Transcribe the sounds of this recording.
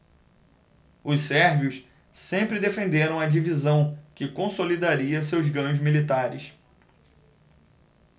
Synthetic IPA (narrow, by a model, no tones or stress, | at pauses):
ʊssɛɾviʊʃ | sẽmpɾɪd̪efẽnd̪eɾɐ̃w̃ɐd͡ʒivizɐ̃w̃kɪkõsolid̪aɾiɐsewzɡɐ̃ɲʊzmilit̪aɾɪ̰s